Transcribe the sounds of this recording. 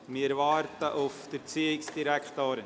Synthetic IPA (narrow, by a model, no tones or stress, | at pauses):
mɪɾvɑːɾtəʔʊfd̥əɾt͡siːɪksd̥iɾækʰt̪oːɾ